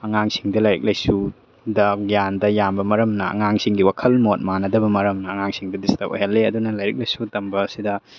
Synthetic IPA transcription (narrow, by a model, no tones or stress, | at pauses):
ɐŋaŋsiŋdɐlɐjɾḭk̚lɐjsu | dɐjandɐjambɐmɐɾɐmnɐɐ̰ŋaŋsiŋɡiwakʰɐlmot̚manɐdɐbɐmɐɾɐmnɐːŋaŋsiŋdɐdistɐpʔo̰jɦɐlːeɐdunɐlɐjɾik̚lɐjsutɐmbɐːsidɐ